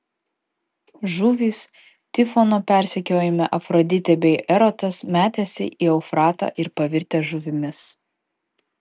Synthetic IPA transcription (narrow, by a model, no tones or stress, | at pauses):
ʒuːʋʲiːs | t̪ʲɪfɔnoːpʲæˑɾʲsʲɛkʲoːjɛmʲɛʔɐfɾɔd̪ʲɪt̪ʲɛbʲɛɪʔɛɾɔt̪ɐsmʲæːt̪ʲɛːsʲɪ̰ʔiːɛʊfɾɑːt̪ɑ̰ːʔɪɾpɐʋʲɪɾʲt̪ʲɛːʒʊʋʲɪmʲɪs